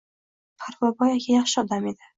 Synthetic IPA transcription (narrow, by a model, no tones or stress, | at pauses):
pʰaɾvabɒjaɡʲajɑχʃɪɒd̪ame̞d̪ɪ